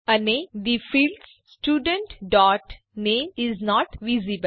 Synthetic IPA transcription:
əneːd̪ifiːlɖs | sʈjuːɖə̃ɳʈɖɔːʈ | nẽːmɪznɔːʈʋizibəl

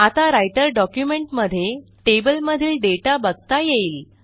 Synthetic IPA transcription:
at̪aɾajʈəɾɖɔkjumeɳʈməd̪ʱːje | ʈebəlməd̪ʱiːlɖeʈabəɡ̚t̪ajeiːl

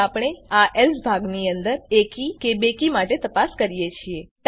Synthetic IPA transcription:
apɳ̃eaʔelsbʱaɡniənd̪əɾekikebekimaʈet̪əpaskəɾijet͡ʃʰiet̪

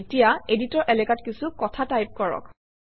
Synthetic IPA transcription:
tijaeditɔɹʔɛlɛkatkisukɔtʰatajp̚kɔɹɔ̰k

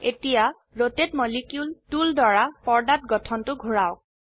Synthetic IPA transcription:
etija | ɹotet̚mɔlikjultuldɔɹapɔɹdat̚ɡɔtʰɔntʊɡʱuɹawk̚

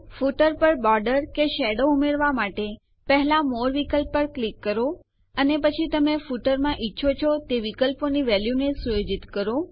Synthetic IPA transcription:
fuʈəɾpəɾbɔɾɖəɾkeʃɛɖoumeɾʋamaʈe | pɛɦlamoɾʋikəlppəɾklikːəɾo | ənepət͡ʃʰit̪əmefuʈəɾmãʔitːʃʰot͡ʃʰot̪eʋikəlponiʋɛljunesujod͡ʒit̪kəɾo

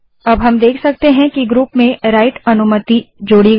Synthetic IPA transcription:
ɐbɦɐmd̪eːkʰsɐk̚t̪eɦɛ̃kiɡɾuːpmẽɾaːɪʈɐnʊmət̪id͡ʒoːɽi

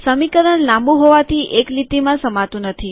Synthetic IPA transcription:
səmikəɾəɳlãmbũɦoʋat̪ʰiʔeklit̪imãsəmat̪ũnət̪ʰi

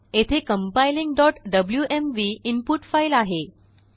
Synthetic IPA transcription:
et̪ʰekəmpajliŋɡɖɔʈɖəbljuʔemʋiimpuʈfailaɦe

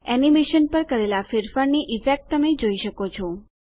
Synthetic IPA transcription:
ɛnimeʃənpəɾkəɾelafeɾfəɾniʔifek̚ʈ̚t̪ːəmed͡ʒoiʃəkot͡ʃʰɔ

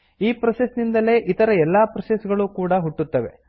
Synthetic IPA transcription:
iːpɾɐsesnind̪ɐle̞ːʔit̪ɐɾɐɛlːaːpɾɐsesɡɐɭuːkuːɽɐɦuʈːut̪ːɐʋe̞̰

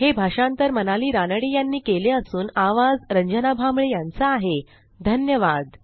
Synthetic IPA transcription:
hebʱaʂãnt̪əɾmənaliːɾanəɽijanːiːkeleəsuːnaʋad͡zɾəɲd͡ʑənabʱamɭejant͡saaːɦe | d̪ʱənjəʋad̪

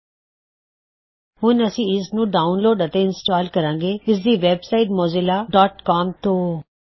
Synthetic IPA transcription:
hʊnəsĩːɪsnũːɖaːʊnloːɖət̪eɪnsʈaːlkəɾãːŋɡeːɪs̬d̪iːʋeːbsaːɪʈmɔːzɪlaːɖɔːʈkaːmt̪oː

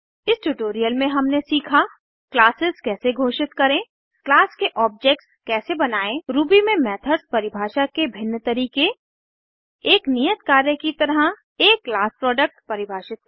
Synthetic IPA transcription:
ɪsʈuʈoːɾijəlmẽɦɐmnesiːkʰa | klaːsɪzkɛːseɡʱoːʃɪt̪kɐɾẽː | klaːskeʔɔːp̚d͡ʒeːk̚ʈskɛːsebɐnaːẽɾuːbimẽmɛːt̪ʰəɾspɐɾɪbʱaːʃakebʱɪnːət̪ɐɾiːke | eːknijət̪kaːɾjəkit̪ɐɾə | eːkːlaːspɾɔːɖək̚ʈpɐɾɪbʱaːʃɪt̪̚

